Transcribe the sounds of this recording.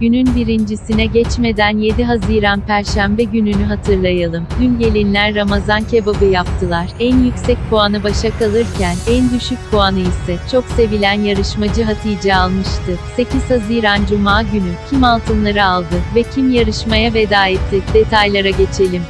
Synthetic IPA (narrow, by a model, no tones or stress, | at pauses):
ɟ̥ynynbiɾind͡ʒisinɛɟɛt͡ʃme̞d̪ænje̞d̪iɦaziːɾanpæɾʃæmbɛɟynynyɦat̪ʰɯɾlˠajalˠɯmd̪ynɟelʲinlʲænɾamazancʰebabɯjap̚t̪ʰɯlˠaɾ̥ænjycsɛc̚pʰuanɯbaʃakʰalˠɯɾcʰænænd̪yʃyc̚ʲpʰuanɯisɛt͡ʃʰo̞kse̞vilʲænjaɾɯʃmad͡ʒɯɦat̪ʰijd͡ʒɛalˠmɯʃt̪ʰɯse̞ciz̥haziːɾand͡ʒumaːɟynycʰimalˠt̪ʰɯnlˠaɾɯalˠd̪ɯvɛcʰimjaɾɯʃmajave̞d̪aːɛt̪ʰːid̪e̞t̪ʰajlˠaɾaɟe̞t͡ʃʰe̞lʲim